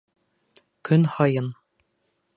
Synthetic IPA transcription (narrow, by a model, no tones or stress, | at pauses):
kɵnhɑjɤn